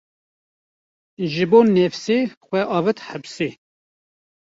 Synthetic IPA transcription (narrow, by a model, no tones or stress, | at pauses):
ʒɨboːnɛfseːxʷɛʔɑːvɨt̪habseː